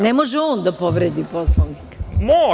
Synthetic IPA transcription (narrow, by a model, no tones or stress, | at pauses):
nemoʒɛoːnd̪apoʋɾed̪iposlˠoʋnikmo